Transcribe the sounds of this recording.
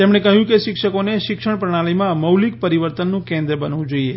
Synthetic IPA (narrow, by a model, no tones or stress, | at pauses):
t̪emɽ̃ekəɦjũkeʃɪkʂəkoneʃɪkʃəɽ̃pɾəɽ̃aɭimãməwlik̚pəɾiʋəɾt̪ənːũkɛ̃nd̪ɾəbənaʋũd͡ʒoie